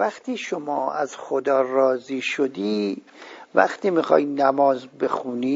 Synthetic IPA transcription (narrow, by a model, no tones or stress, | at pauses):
væχt̪ʰiːʃomɒːæz̥xod̪ɒːrɒːziːʃod̪iː | væ̰χt̪ʰiːmixɒ̰ːjnæmɒːzbexuːniː